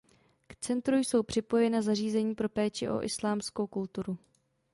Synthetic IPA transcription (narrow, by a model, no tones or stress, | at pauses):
kt͡sɛnt̪ɾujso̞wpr̝̥ɪpo̞jɛnazar̝iːzɛɲiːpɾo̞pɛːt͡ʃɪʔo̞̰ʔɪ̰slaːmsko̞wkult̪uɾu